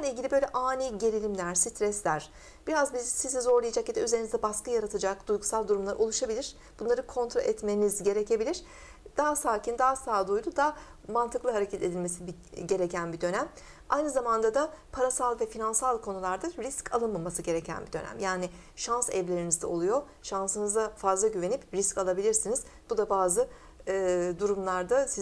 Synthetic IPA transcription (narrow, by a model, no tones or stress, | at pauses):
anilʲɟilʲibø̞jlʲɛʔaːniɟelʲilʲimlʲæɾ̥sit̪ɾɛslʲæɾ̥ | b̥iɾazbizsizizo̞ɾlˠajad͡ʒaked̪ɛyze̞ɾinizd̪ɛbaskajaɾat̪ʰɯd͡ʒakd̪̥ujɡusalˠd̪uɾumlˠaɾo̞lˠuʃabilʲiɾ̥ | b̥unˠaɾɯkʰo̞nt̪ɾaʔɛt̪me̞nizɟe̞ɾecʰe̞bilʲiɾ̥ | d̪̥aɦasaːcʰind̪aːasaːd̪ujlˠud̪amant̪ʰɯklˠɯɦaɾecʰɛt̪ʰe̞d̪ilʲme̞sib | ɟe̞ɾe̞cʰænbid̪ø̞næm | ajnɯzamand̪ad̪apʰaɾasalˠvɛfinansalˠkʰo̞nulˠaɾd̪aɾiscʰa̰lˠɯnmamasɯɟe̞ɾecʰæ̰nbid̪ø̞̰næ̰mjaːnɪ | ʃansɛ̰vlʲe̞ɾinizd̪ɛ̰o̞lˠujo̞ | ʃansɯnɯzd̪afazlˠaɟyve̞nipɾiscalˠabilʲiɾsiniz̥b̥ud̪abaːzɯ | d̪uɾumlˠaɾd̪asi